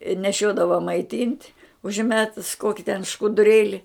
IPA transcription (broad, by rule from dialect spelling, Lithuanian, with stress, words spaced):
ɪ nʲɛˈʃʲoːdɐʋɐ mɐɪˈtʲiːnʲtʲ ʊʒʲˈmʲæːtʊs ˈkoːkʲɪ tʲɛn ʃkʊdʊˈrʲeːlʲɪ